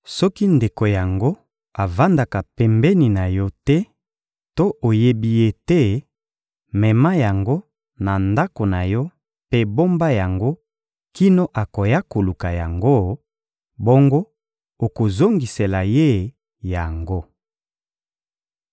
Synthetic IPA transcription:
sɔ˦ki˦nde˨ko˨ja˨ŋɡo˦ | a˨va˦nda˨ka˨pɛ˨mbɛ˦ni˨na˨jɔ˦tɛ˦ | to˦ʔo˨je˦bi˨je˦tɛ˦ | mɛ˨ma˦ja˨ŋɡo˦ | na˨nda˦ko˨na˨jɔ˦ | pe˦bo˦mba˦ja˨ŋɡo˦ | ki˦no˦ʔa˨ko˨ja˦ko˨lu˨ka˨ja˨ŋɡo˦ | bo˦ŋɡo˦ | o˨ko˨zo˦ŋɡi˨se˨la˨je˦ | ja˨ŋɡo˦

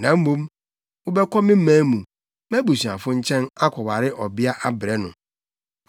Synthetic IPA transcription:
nã˨m̩˦mũ˦m | ʊ˦bɛ˦kʰɔ˦mɪ̃˦mãː˦mũ˨ | mɛ˦bu˨si˨ã̰˨fʊ̃˦ɲ̩˦t͡ɕʰɛ̃˦na˦kʰɔ˨wa˨ɾɪ˦ʔɔ˨bɪ˦a˦ʔa˦bɪ˨ɾɛ˦nʊ̰̃˨

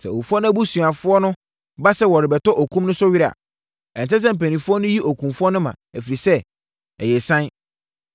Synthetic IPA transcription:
sɛ˨o˨u˨fɔ˦nʊ̃˦æ˦bu˦sũ˨a˨fʊ˦ɔ˦nʊ̃˦ | ba˦sɛ˦wɔ˨ɾɪ˨bɛ˨tɔ˦ʔɔ˨kʰũ˦mnʊ̃˦sʊ˦ɥi˦ɾa̰˨ | ɛ̃˨n˨s̬ɛ˦s̬ɛ̃˦m̩˨pæ˨nĩ˨fʊ˦ɔ˦nʊ̃˦ji˦ʔo˨kʰũ˨mfʊ˦ɔ˦nʊ̃˦mã̰˨æ˨fi˨ɾi˨sɛ˦ | ɛ˨jɛ˨sã˦n

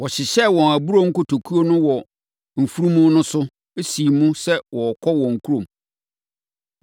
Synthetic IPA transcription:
wɔ˨ɕɪ˨ɕɛ˦wɔ̃˨æ˨bu˦ɾo˦ŋ̩˦ko˨tʰo˨kʰu˦o˦nʊ̃˦wɔ˨ | m̩˨fu˦ɾũ˦mũ˦nʊ̃˦sʊ˦ | e˦si˨mũ˦sɛ˦wɔ˨kʰɔ˦wɔ̃˨ŋ̩˨kʰu˦ɾõ˨m

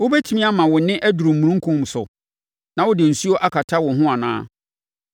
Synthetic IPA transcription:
wʊ˦bɛ˦tʰi˦mĩ˦a˦mã˨wʊ˨nɪ̃˦ʔæ˦du˨ɾu˨mu˨ɾũ˦ŋ̩˦kʰũ˦m˨sʊ̰˨ | nã˨wʊ˦dɪ˨n̩˨su˦o˦ʔa˦kʰa˨tʰa˦wʊ̃˨ɦʊ̃˦a˨nã̰ː˦

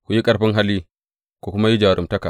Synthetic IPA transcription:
kʷu˨ji˦kʼɐ˨ɾɸɪ˦ŋɦa˦lːiː˦ | ko˨kʊ˦ma˦ji˦d͡ʒaː˨ɾʔʊ˨mtɐ˦ka˨

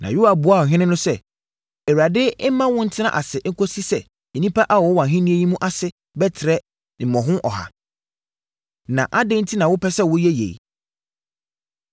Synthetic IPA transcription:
nʔã̰˨ju˦a˨bʊ˨˦a˦˨ɔ˨ɦᶣɪ̃˦nɪ̃˦nʊ̃˦sɛ˦ | e˨wu˨ɾa˨dɪ˦mːã˦wʊ̃˦n̩˦tʰɪ˦nã̰˦ʔa˨sɪ˨˦ŋ̩˦kʰo˦si˦sɛ˨ | ɛ˨nĩ˦pʰa˦ʔa˦wɔ˨˦wã˨ɦɪ̃˦nĩ˦e˦jĩ˦mũ˦ʔa˦sɪ˦ | bɛ˦tʰɪ˨ɾɛ˦ | ɪ̃˨mɔ̃˨ɦʊ̃˦ʔɔ̰˨ha̰˨ | nã̰˨ʔa˦dɪ̃˦n̩˦tʰi˦nã˨wʊ˦pʰɛ˦sɛ˦wʊ˦jɛ˦jḛ˨j

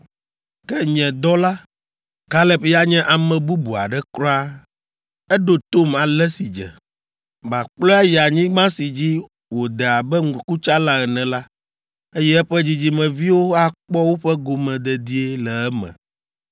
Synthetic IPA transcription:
kɛ˦ɲɛ̃˨d̪ɔ˦la˦ | ka˦lɛ˦pja˦ɲɛ̃˦ʔa˨mɛ̃˨bu˦bu˨a̰˨ɖɛ˦kɾɔ̃˦a˦ | ɛ˦ɖo˨t̪o˦ma˨lɛ˦si˨d͡ʒɛ̰˨ | ba˨k͡plɔ˦ɛ˦jɛ˨a˨ɲĩ˦ɡ͡bã˦si˨d͡ʑi˦ | wo˨d̪ɛ˨a˨bɛ˦ŋ̩˦ku˦t͡ʃa˦la˦ɛ˨nɛ̃˨la˦ | e˦jɛ˦ɛ˦ɸɛ˦d͡ʑi˦d͡ʑi˦mɛ̃˨vi˦wo˦a˦k͡pɔ˦wo˦ɸɛ˦ɡo˨mɛ̃˨d̪ɛ˨d̪i˦e˦lɛ˨ɛ˦mɛ̰̃˨

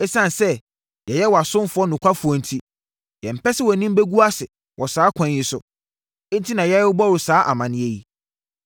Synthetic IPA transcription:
ɛ˦sã˦n˨sɛ˦ | jɛ˨jɛ˦wɔ˨a˨sʊ̃˦m˦fʊ˨˦ɔ˦nʊ̃˨kʷʰa˦fʊ˨ɔ˨n̩˨tʰi˦ | jɛ̃˨m̩˨pɛ˦sɪ˦wɔ˨nĩ˦m˦be˦ɡu˦a˦sɪ˨ | wʔɔ˨saː˦kʰã˨˦njɪ˦sʊ˨˦ | n̩˦tʰi˦nã˨jɛ˦ʊ˦bɔ˦ɾʊ˨saː˦ʔa̰˨mã˨nɪ̃˦ɛ˦ji˦

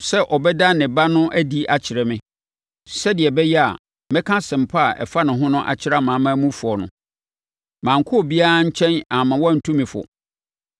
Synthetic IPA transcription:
sɛ˦ʔɔ˨bɛ˦da˦nɪ̃˨ba˦nʊ̃˦ʔæ˦di˦ʔa˨t͡ɕʰɪ˨ɾɛ˨mɪ̃˦ | sɛ˦dɪ˨ɛ˨bɛ˦jɛ˦a̰˨ | mɛ̃˦kʰã˦sɪ̃˨m̩˨pʰa˦a˨ʔɛ̰˨fa˦nʊ̃˨ɦʊ̃˦nʊ̃˦ʔa̰˨t͡ɕʰɪ˦ɾa˦mã˨˦mã˦mũ˦fʊ˨ɔ˨nʊ̰̃˨ | mã˨ŋ̩˨kʰʊ˦ɔ˨bi˦a˦ɾa˦ɲ̩˦t͡ɕʰɛ̃˦na˨mã˨wɔ˦˨n̩˨tʰũ˦mĩ˨fʊ̰˨

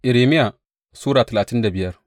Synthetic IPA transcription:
ʔɪ˨ɾeː˨mɪ˦ja˨ | suː˦ɽaː˨tɐ˨laː˨tɪ˦nda˨bɪ˨jɐ˦r

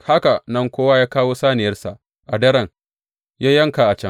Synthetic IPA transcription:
ha˦ka˨nɐ˦˨ŋkʷoː˦wa˦jaː˦kaː˦woː˦saː˦nɪ˨jɐ˦rsa˨ʔ | ʔa˨dɐ˦ɾɐ˨ŋ | jaː˦jɐ˦ŋka˨ʔa˨t͡ʃɐ˦ŋ

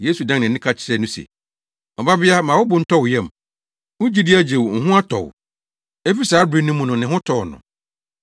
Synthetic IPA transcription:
je˦su˨dã˦ŋnɪ̃˨˦ĩ˦kʰa˦t͡ɕʰɪ̥˨ɾɛ˦nʊ̃˦sɛ̰˨ | ɔ˨ba˦bɪ˦a˦mãː˨wʊ˦bʊ̃˨n̩˦tʰɔ˦wjɛ̃˦˨m | ʊ̃˦d͡ʑi˦dɪ˦æ˦d͡ʑe˨wŋ̩˨ɦʊ̃˦a˦tʰɔ̰˨w | e˦fi˦saː˨˦bɾi˦nʊ̃˦mũ˨nʊ̃˨nɪ̃˨ɦʊ̃˦tʰɔ˨nʊ̰̃˨

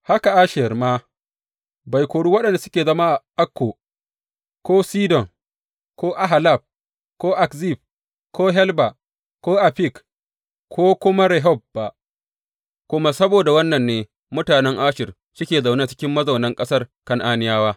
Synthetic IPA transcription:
ha˦ka˨ʔaː˦ʃɪ˨rmaː˦ | ba˨jkʷoː˨ɽuː˦wɐ˦ɗɐ˨nda˨sʊ̥˦kʲeː˨zɐ˦maː˦ʔa˨ʔa˦kːoː˨ | kʷoː˦siː˦dɔ˨ŋ | koː˦ʔa˦ɦa˨la˦˨b̚ | koː˦ʔa˨kzi˦˨b̚ | koː˦ɦɛ˦lba˨ | kʷoː˦ʔa˨ɸi˦˨k | kʰoː˦kʷʊ˦ma˦ɾɛ˨ɦɔ˦˨b̚ba˨ʔ | kʷʊ˦ma˦sɐ˦boː˨da˨wɐ˦nːɐ˨nːeː˨ | mʊ˦taː˨nɛ˦ŋʔaː˦ʃɪ˨r | sʊ˦kʲeː˨za˨wnaː˦t͡ʃɪ̥˦kʲɪ˦mːɐ˦zɐ˨wnɐ˦ŋkʼɐ˦sɐ˦rkɐ˦ŋʔaː˦nɪ˦jaː˦waː˦

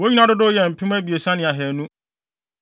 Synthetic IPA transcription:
wo˦ɲi˦nã˦dʊ˦dʊ˦jɛ˨m̩˨pʰɪ̃˦m˦æ˦bi˨e˨sã˦nɪ̃˨a˨ɦɛ˨nũ˦

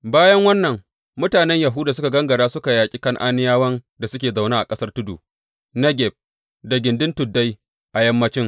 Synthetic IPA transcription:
baː˦jɐ˦ŋwɐ˦nːɐ˨ŋ | mʊ˦taː˨nɛ˦ɲja˨ɦʊ˦daː˨sʊ˦ka˨ɡɐ˦ŋɡɐ˨ɽaː˦sʊ˦ka˨jaː˨kʲʼi˦kɐ˦ŋʔa˦nɪ˦jaː˦wɐ˦nda˨sʊ˦kʲeː˨za˨wnaː˦ʔa̰˨kʼɐ˦sɐ˦rtʊ˦dṵː˨ | nɐ˦ɡʲɛ˨b̚ | da˨ɡʲɪ˨ndɪ˦ntʊ˨dːa˦j | ʔa˨jɐ˦mːɐ˦t͡ʃɪ˦ŋ

